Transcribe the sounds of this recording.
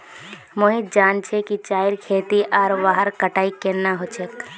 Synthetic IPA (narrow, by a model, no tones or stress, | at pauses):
moːɦit̪̚d͡ʒaːnt͡ʃʰekit͡ʃaːɪɾkʰeːt̪iʔaːɾʋaːɦəɾkəʈaːikenaɦot͡ʃʰek